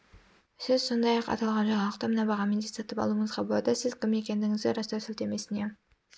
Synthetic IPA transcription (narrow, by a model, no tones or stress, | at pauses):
sɪz̥so̞nd̪ɑjɑqɑ̰t̪ɑlˠʁɑnʒɑɴɑlˠəqt̪ɑmənɑbɑʁɑmed̪et̪sɑt̪əpɑ̰lˠuəɴəzʁɑbolˠɑd̪əsɪzkʲʰɪme̞kʲe̞nd̪ɪŋɪzd̪ɪɾɑst̪ɑsɪlt̪e̞me̞sɪne